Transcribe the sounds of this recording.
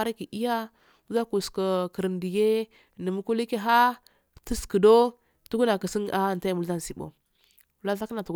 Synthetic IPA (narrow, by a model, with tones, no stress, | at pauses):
a˦ɾa˦ki˨ʔi˦ja˦ | mu˦za˦ku˨ska˨kə˨ɾə˨ndi˨ɡe˦˨ | nə˨mu˦ku˦li˦ke˦ɦa˦ | tə˦skə˨do˦ | tu˦ɡu˦na˨kə˨si˦ŋ˦a˦˨nta˦˨mu˨lza˦n˨si˦bo̰˨ | la˦ɬa˦kə˦na˨tu˨ɡ